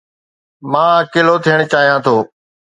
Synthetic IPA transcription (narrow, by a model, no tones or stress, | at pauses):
mãːkɪloːt̪ʰijəɽ̃t͡ɕaːɦijãːt̪ʰoː